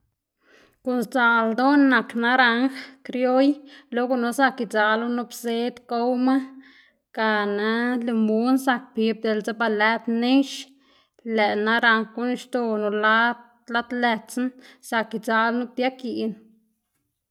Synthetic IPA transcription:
ku˧nst͡sa˧ld̪o˦nːa˨kna˦ɾa˧˦ŋxkɾjo˦jlo˦ɡu˧no˧˦sa˦˧ki˨t͡sa˨lu˦nu˦bse˦d̪ko˦wma˦ | ka˧na˧le˧mbu˦nsa˧k̚pi˧b̚d̪e˧˨lza˦ba˧lɛ˦t̪ne˦ʃ | læ˨na˦ɾa˧ŋxku˦n˦ʃt̪o˧nu˨la˦ | la˦d̪lɛ˧t͡snsa˧ki˧t͡sa˧lnu˦b̚t̪ja˦ki˨n

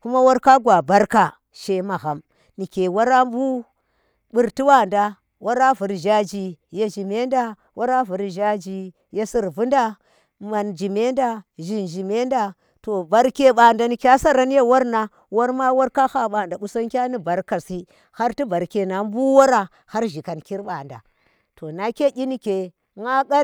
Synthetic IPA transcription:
ku˦ma˦wa˦ɾka˦ɡwa˨ba˦ɾka˨ | ʃe˨ma˨ɣa˨m | ni˨kʲe˨wa˦ɾa˦m˦bu˦ | bu˨ɾti˦wa˦˨nda˦ | wʔa˦ɾa˦vu˨˦ɾʒa˦d͡ʒi˨je˦ʒi˨me˦nda˦ | wʔa˦ɾa˦vu˨ɾʒa˦d͡ʒi˨ | je˦si˨ɾvu˦nda˦ | ma˨nd͡ʒi˨me˦nda˦ʒi˨nʒi˨me˦nda˦ | to˨ba˨ɾkʲe˦ɓa˨nda˨ni˨kʲa˦sa˦ɾa˦n˦je˦wa˦ɾna˨ | wa˦ɾma˦wa˦ɾka˦ha˦ɓa˨nda˨ɓu˦sa˦ŋkʲa˦ni˦ba˨ɾka˨si˦ | ha˦ɾti˦ba˨ɾke˨na˨˦m˦bu˦wa˦ɾa˨ | ha˦ɾʒi˨ka˨nki˦ɾɓa˨nda̰˨ | to˨na˨kʲe˦ʔʲi˦ni˦kʲe˨ | ŋa˦ka˦

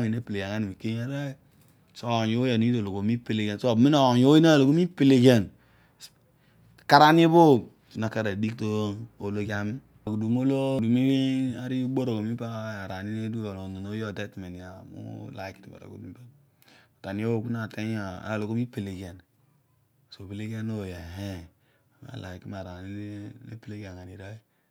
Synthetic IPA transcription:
ne˦pe˨le˨a˨ŋa˦ni˨mi˨ke˦e˦ɾe˦ | so˦˨o˦ja˨no˦i˦do˨lo˨ɡo˨˦mi˦pe˦le˨ɡe˨nso˦˨mi˦na˨ɲ˨o˦i˦na˦˨lo˨ɡo˦mi˦pe˦le˨d͡ʒe˦˨n | s | ka˦ɾa˦n˦e˦bo˦ | su˨na˨ka˦ɾa˨di˦k̚to˦o˨lo˦d͡ʒa˦mi˦˨ɡu˨du˨mo˦lo˦˨du˨mi˦ɡi˦a˦ɾi˦u˦bo˦ɾo˨ɡo˨mi˦pa˦a˨ɾa˨ni˦ne˦du˦ɾo˨lo˨no˨no˦jo˦˨de˦tme˨n˨ja˨mṵ˦la̰˨˦kti˨ma̰˨ɾo̰˨ɡo̰˨mi˦a˦ | o˨ta˨ni˦o˦˨ku˦na˨te˦ɲ˦a˨a̰˨a˨lo˨ɡo˦mi˦pe˨le˨ɡe˨n˨ | so˨be˨le˦ɡe˦no˦˨je˨ɦe˦˨ | ma̰˨la̰˨i˨ki˦m˨a˨ɾa˨ni˦ḛ˦pe˦le˦ɡe˨ŋa˨ni˨ɾa˦i˦

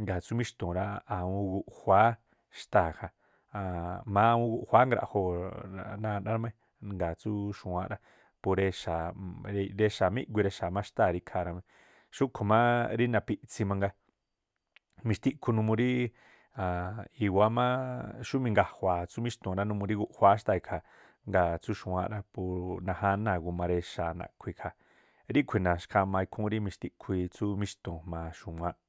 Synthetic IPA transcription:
ŋɡa˨t͡su˦mĩ˦ʃt̪õ˨ɾa˦a˨ũ˧ɡu˧ʔhʷa˨˦ | ʃt̪a˦˨ha˧ | a˧mã˦˧ũ˧ɡu˧ʔhʷa˦ŋɡɾa̰˧ʔho˧a̰˧nã˧nã˦ɾa˧mẽ˦ | ŋɡa˨t͡su˦ʃũ˨ã˧ʔɾa˧ | pu˧ɾe˧ʃa˨ɾɾe˧ʃa˨mĩ˦ʔɡʷi˧ɾe˧ʃa˨mã˦˧ʃt̪a˦˧˨ɾi˧kʰa˧ɾa˧mẽ˧ | ʃu˦kʰo˨mã˦ɾi˦nã˧˨pi˧ʔt͡si˧mã˧ŋɡa˧ | mĩ˧ʃt̪i˧ʔkʷʰu˧nũ˧mũ˧ɾi˦ | ã˨i˧wa˧˦mã˦ʃu˦mĩ˧ŋɡa˧hʷaː˨t͡su˦mĩ˦ʃt̪õ˨ɾa˦nũ˧mũ˧ɾi˦ɡu˦ʔhʷa˧˦ʃt̪a˧i˧kʰa˨ | ŋɡa˧˨t͡su˦ʃũ˧wã˧ʔɾa˦pu˧nã˧ɦa˧˦nã˧˨ɡu˧mã˧ɾe˧ʃa˨nã̰˨kʷʰi˧kʰa˨ | ɾi˦kʷʰi˧˨nã˨ʃkʰa˧mã˧i˧kʰũ˦ɾi˦mĩ˧ʃt̪i˧ʔkʰi˧t͡su˦mĩ˦ʃt̪õ˨mã˧ʃu˨mʷ˧ã˧˦ʔ

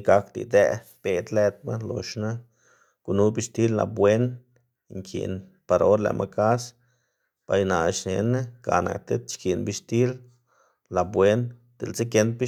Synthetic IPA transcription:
ɡa˧kd̪ḭ˨d̪e˧ | b̥e˧d̪le˧t̪̚ma˦lo˨ʃna˦ | ɡ̥u˧nu˦bi˧ʃt̪i˦lːa̰˨bwe˦n | ŋkʰḭ˨n | pa˨ɾao˦ɾlḛ˨mʔa˧ka˦s | b̥a˧jna˨ʃne˧na˦ɡa̰˨na̰˨kt̪e˦t̪t͡ʃki˨nbi˧ʃt̪i˦l | la˨bwe˦n | d̪̥e˨lt͡se˦ke˧nt̪̚bi˦

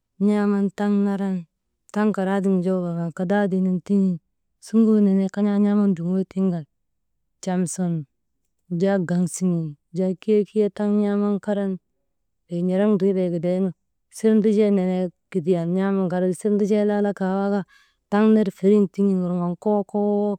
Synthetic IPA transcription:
ɲa˦ma˦nta˦ŋna˦ɾa˦n | ta˦ŋka˨ɾa˦di˦ŋ˨d͡ʒo˦ba˨ɡa˨ka˨da˦di˨ni˨nti˦ŋi˦˨ | su˦ŋɡu˦ne˨ne˦ka˦ɲa˦ɲa˦ma˦ndu˨ŋwe˦ti˦ŋɡa˨l | t͡ʃa˨mso˨n | d͡ʒa˦ɡa˨ŋsi˨ŋi˨ | d͡ʒa˦ki˦je˦ki˦e˦ta˦ŋɲa˦ma˦nka˦ɾa˦n | be˨ɲa˨ɾa˦ŋdu˨˦be˨ɡi˨de˦nu˦ | si˦ɾn˦di˦d͡ʒe˦ne˨ne˦ki˨di˨ja˨nɲa˦ma˦ŋka˨ɾa˦˨si˦ɾndi˦d͡ʒe˦la˦la˦ka˨˦wa˦ɡa˦ | ta˦ŋne˦ɾfe˨ɾi˦nti˦ŋi˦ŋu˨ɾŋa˨nko˦ko˦wo˦

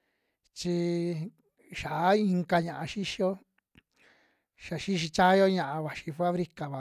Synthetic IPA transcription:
t͡ʃi˧ | ʃa˨˦i˧ŋka˧ɲã˨ʔã˧ʃi˦ʃi˧o˦ | ʃa˨ʃi˦ʃ̬i˧t͡ʃa˦jo˦ɲã˧ʔã˧βa˨ʃi˧fa˦βɾi˧ka˨βa˨

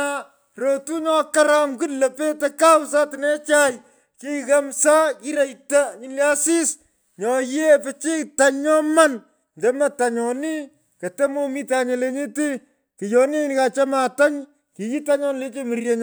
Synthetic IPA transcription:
a | ro˨tu˦ɲɔ˦ka˦ɾa˨mku˦tlɐ˨pe˦tɐ˦ka˦wsa˦tɪnɛ˦t͡ʃaj | ki˦kɐ˦msa˦ki˦ɾɐ˨jta˦ɲi˨nlja˦si˦s | ɲɔ˨je˦pɛ˦t͡ʃi˦kta˨ɲɲɔ˦ma˦n | ntɛ˦mɐ˨ta˨ɲɔ˨ni˦ | kɐ˨te˦mo˦mi˦ta˨ɲe˨le˦ɲe˦ti˦ | ki˨jɔ˨ni˦nka˨t͡ʃa˦ma˨ta˦ɲ | ki˨ji˦ta˦ɲɔ˦nle˦t͡ʃe˦mi˨rje˦ɲ

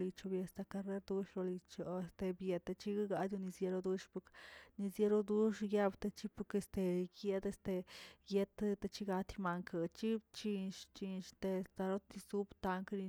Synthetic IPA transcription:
li˧t͡ʃo˧bje˧st̪a˧ka˧ɾe˦ɾd̪u˦ʃɾo˧li˧t͡ʃo˨e˧st̪e˧bje˧t̪a˧t͡ʃi˦ɡa˦ɡa˧d̪ʲu˧ni˧sje˧ɾo˧d̪u˦ʂpu˧kni˧sje˧ɾo˦d̪u˦ʂja˧bt̪e˧t͡ʃi˦pu˧ke˧st̪e˧ɡe˧˦d̪e˧st̪e˧je˦t̪t̪e˧t͡ʃi˦ɡa˧t̪ma˧ŋkʰa˨t͡ʃi˦t͡ʃi˧ʃt͡ʃi˧nʃt̪e˧st̪a˧ɾo˦t̪i˧su˦bt̪a˧ŋkɾi˧

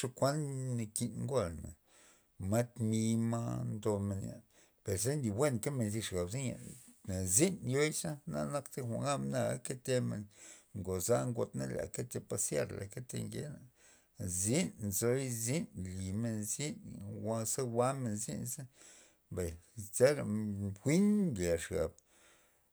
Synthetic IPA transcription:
ʂo˧kʷa˦nni˧ki˧nŋɡo˦˨lna̰˨ | ma˦t̪mi˧ma̰˦nd̪o˧me˧nja̰˨ | pe˨ɾse˦nd̪i˨wʷe˦nke˦me˧nzi˧ʂɡa˨bzi˦nja̰˨na˨zi˦njo˦jsa˦na̰˧na˦kt̪e˦xʷa̰˨ŋɡa˦mna˧˨a˦ke˦t̪e˧mḛ˧nŋɡo˨za˦ŋɡo˧t̪na̰˦la̰˨ke˦t̪e˧pa˧sja̰˦˧ɾla̰˨ke˦t̪ḛ˧ŋɡḛ˦na˨ | zi˦nzo˧˦jzi˦nli˨me˧nzi˦n˨wa˧sa˦wa˦me˨nzḭ˦nza˦ | mba˨jza˦ɾa˨xʷi˦nɡa˨ʂɡa̰˨b̥̚

